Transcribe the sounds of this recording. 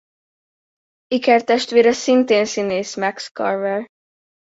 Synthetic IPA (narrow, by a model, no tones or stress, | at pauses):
ikɛrt̪ɛʃt̪ʋeːɾɛsint̪eːnsineːsmɛkskɒ̰rvɛr